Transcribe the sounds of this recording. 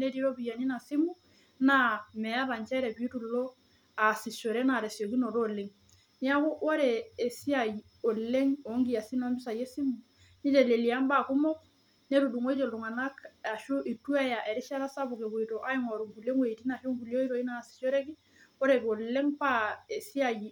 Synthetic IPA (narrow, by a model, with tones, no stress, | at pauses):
ne˦ti˦ɾo˦pi˨ja˨ni˦na˨si˦mu˦ | na˦mɛ˨a˦ɾa˨nt͡ʃɛ˦ɾɛ˨pi˨˦tu˨lo˦ | a˨si˨so˨ɾɛ˦na˨ɾe˨sjo˨ki˦no˨ɾoː˦˨le˨˦ŋ | ni˦a˦ku˦ʔwɔ˦ɾeː˨si˦a˨j | o˨le˦ŋo˨˦ŋɡi˦a˨si˦nɔ˦mbɪ˦sa˨je˦si˦mu˨ | ni˦d͡ʒe˨le˨li˨a˦mba˦˨ku˦mɔ˦k̚ | ne˦ɾu˨du˨ŋo˦i˦d͡ʒo˨lu˨ŋa˨na˦ka˨ʃu˦ʔi˨tu˦ɛ˦ja˨ʔɛ˨ɾɪ˦ʃa˦ɾa˦sa˦bu˨ke˨ko˨i˨to˨ʔa˦i˦ŋɔ˨ɾu˨ŋku˨le˦ŋwe˨ti˦na˨ʃo˦ŋku˨ljo˦i˦ɾo˨i˦na˨si̥˨ʃo˦ɾɛ˦ki˦ | wo˦ɾe˨ko˨le˦ŋpa˦e˨si˦a˨ji˨